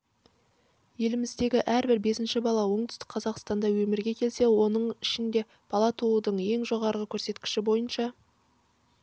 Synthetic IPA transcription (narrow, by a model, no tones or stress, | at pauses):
je̞lɪmɪzd̪e̞ɡʲɪʔæɾbɪɾbe̞sɪnʃɪbɑlˠɑwo̞ɴd̪ʏst̪ɪkqʰɑzɑqst̪ɑnd̪ɑwɵmɪɾɡʲe̞kʲʰe̞lse̞wo̞nəɴɪʃɪnd̪e̞ | b̥ɑlˠɑt̪ʰuəd̪əɴje̞ŋʒo̞ʁɑɾʁəkʲʰɵɾse̞t̪kʲɪ̥ʃɪbo̞jənʃɑ